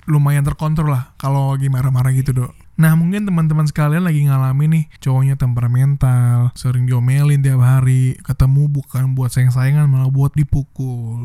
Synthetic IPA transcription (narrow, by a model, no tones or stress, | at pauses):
lumajant̪ərkɔnt̪ɾɔlahkaloɡimaɾamaɾaɡit̪udo | nahmuŋkɪnt̪əmant̪əmans̬ə̥kalianlaɡiŋalaminɪht͡ʃowoɲat̪əmparmɛnt̪alsəɾɪŋdiomelɪnd̪iap̚ɦaɾikət̪əmubukanbuat̪̚sajaŋs̬ajaŋanməlawbuat̪̚dipukʊl